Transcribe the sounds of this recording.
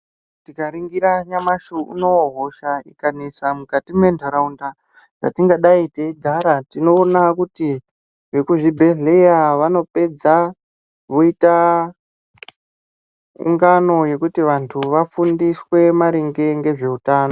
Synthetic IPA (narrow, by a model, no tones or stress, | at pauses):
tikaɾiŋɡiɾaɲamaʃuṵno̞ɦoʃaikanisamukatime̞ndʱoɾaunda | ʐa̰tiŋɡaɗaiteiɡʱaɾatino̞ːnakuti | ʐe̞kuʐibʱe̞ɮe̞jaʋano̞pe̞d͡za | ʋoita | ṵŋɡano̞je̞kutiʋantʰuʋafundiswe̞maɾiŋɡe̞ŋɡe̞ʐe̞utaːno